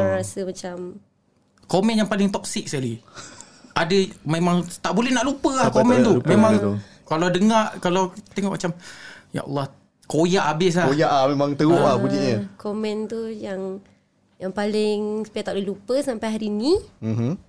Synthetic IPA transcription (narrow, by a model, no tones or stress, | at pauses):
ɾasəmat͡ʃam | komɛnjaŋpalɪŋt̪ɔk̚sɪk̚səkali | ʔadəmemaŋt̪aʔbolɛhnaʔlupəlakomɛ̃nt̪umemaŋ | kalawdəŋaʔkalawt̪eŋɔʔmat͡ʃamja̰ʔa̰lˠːɑh | kojaʔabɪs̬lakojaʔahmemaŋt̪əɣoʔabud͡ʒiɲəkomɛ̃nt̪ujaŋ | jaŋpalɪŋsə̥pajat̪aʔlɛlupəsampajɦaɾinim̩m̩